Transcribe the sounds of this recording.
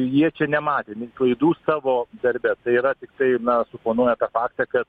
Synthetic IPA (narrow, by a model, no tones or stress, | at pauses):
jiɛt͡ʃʲɛnʲɛmɑːt̪ʲeːmʲɪklˠɐɪd̪uːssɑːʋoːd̪ɐɾʲbʲɛt̪ɐɪiːɾɐt̪ʲɪk̚t̪ɐɪnɐsʊpoːnuɔjɛt̪ɑːfɑːkt̪ɑkɐt̪